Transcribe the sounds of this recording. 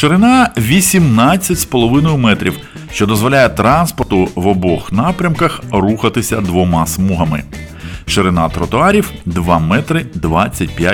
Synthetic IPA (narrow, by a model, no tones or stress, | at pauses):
ʃeɾɪnɑʋʲisʲimnɑt͡sʲːɐtʲspɔlˠɔʋɪnɔjʊmɛt̪ɾʲiw | ʃt͡ʃɔd̪ɔzʋɔlʲajɛt̪ɾɑnspɔrt̪ʊʋɔbɔxnɑpɾʲɐmkɐxɾuxɐt̪ɪsʲɐd̪ʋɔmɑsmuɦɐmɪ̰ | ʃeɾɪnɑt̪ɾɔt̪ʊɑɾʲiwd̪ʋɑmɛt̪ɾɪd̪ʋat͡sʲːɐtʲpʲja